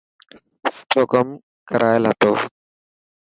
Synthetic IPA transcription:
t͡ʃoːkəm | kəɾʔaːjlɦət̪oː

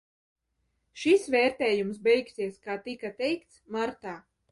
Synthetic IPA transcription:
ʃisvɛːɾt̪ɛːjumsbɛjksiɛskaːt̪ikat̪ɛjkt̪smaɾt̪aː

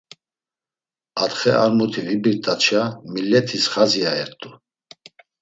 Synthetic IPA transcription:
at̪χɛʔaɾmut̪ʰivibiɾt̪ʼat͡ʃʰamilːɛt̪ʰisχaziaɛɾt̪ʼu

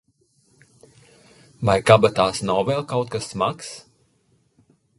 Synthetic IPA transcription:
vajkabat̪aːsnawvɛlˠkawt̪̚kasːmaks

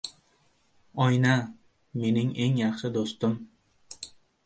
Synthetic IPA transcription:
ɒjna | me̞nɪŋʔe̞ŋjɑχʃɪd̪ost̪ɪm

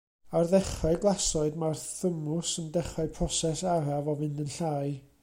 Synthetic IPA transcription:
arðɛχɔɡlˠasɔɨdmarθəmʊsəndɛχɔpʰrɔsɛsaravɔvɨndənɬaːɨ

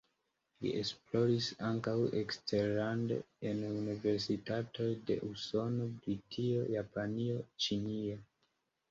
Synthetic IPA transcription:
lḭʔesplo̞ɾisaŋkawekste̞ɾlandḛ | enunive̞ɾsitato̞jde̞̰ʔuso̞no̞bɾitʰio̞japanio̞t͡ʃinio

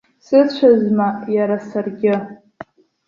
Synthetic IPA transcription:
sɨt͡ɕʷʰazmajaɾasarɡʲɪ

